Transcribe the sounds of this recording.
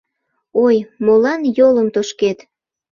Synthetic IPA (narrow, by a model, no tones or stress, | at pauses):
ojmolɑnjoləmt̪oʃket̪